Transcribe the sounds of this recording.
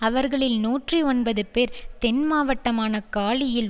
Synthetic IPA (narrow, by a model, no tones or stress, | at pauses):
ɐʋɐɾɣɐɭɪlnuːʈriɔnbɐðɯpeːɾt̪ɛnmaːʋɐʈːɐmaːnɐkaːɭɪjɪl